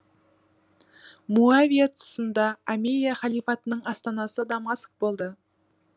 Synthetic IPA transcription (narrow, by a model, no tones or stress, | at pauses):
muavijat̪ʰʊ̥sənd̪ɑamenijaχɑlˠijfɑt̪ənəɴɑst̪ɑnɑsəd̪ɑmɑsk̚bo̞lˠd̪ə